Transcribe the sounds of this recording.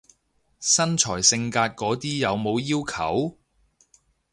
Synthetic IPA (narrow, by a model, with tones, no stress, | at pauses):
sɐ˥nt͡ʃʰɔː˨˩jsɪ˧ŋkaː˧t̚kɔː˨˥t̪iː˥jɐ˨˧wmo˨˧wjiː˥wkʰɐ˨˩w